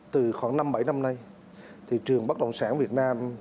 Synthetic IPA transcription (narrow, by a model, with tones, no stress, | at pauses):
t̪ɨ˨˩xwɔː˧˩˦na˧mɓə˧˩jna˧mna˧j | t̪ʰi˨˩t͡ɕɨ˨˩əŋɓa˦˥k̚ɗə̰˧˨wŋ͡msaː˧˥nvi˨˩ət̚naː˧m